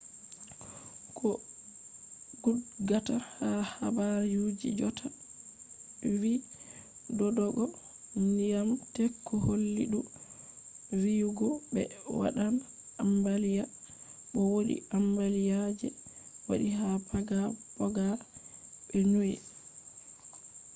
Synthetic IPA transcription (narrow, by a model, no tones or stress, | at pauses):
kʰɔ | ɡudɡatahaha̰baɾjud͡ʒḭd͡ʒɔtʰa | wi | dɔdɔɡɔ | nijamtɛkʰːɔholːḭɗu | wijuɡɔbɛ̰wa̰ɗan | ambalija | ɓɔwoɗḭʔambalijad͡ʒɛ̰wa̰ɗihapʰaɡabɔɡa | ɓɛnuɛ̰